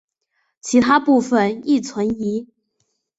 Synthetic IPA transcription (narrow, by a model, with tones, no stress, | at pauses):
t͡ɕʰi˧˥t̪ʰa˥pu˥˧fə˨ni˥˩t͡sʰwə˧˥ni˧˥